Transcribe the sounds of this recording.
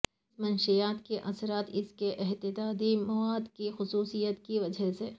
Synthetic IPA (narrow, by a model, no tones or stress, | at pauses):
smɐnʃijaːt̪keʔɐsɾaːt̪ɪskeʔɪɦt̪ɪd̪aːd̪imɐwaːd̪kixʊsuːsijət̪kiʋɐd͡ʒəseː